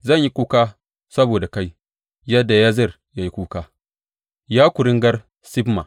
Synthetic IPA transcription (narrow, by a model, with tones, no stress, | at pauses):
zɐ˦˨ɲji˦kʷuː˦kaː˦ | sɐ˦boː˨da˨ka˦j | jɐ˦dːa˨jaː˦zɐ˦˨r | ja˦ji˦kʷuː˦kaː˦ | jaː˦kʷʊ˨ɾɪ˦ŋɡɐ˦r | sɪ˦bma̰˨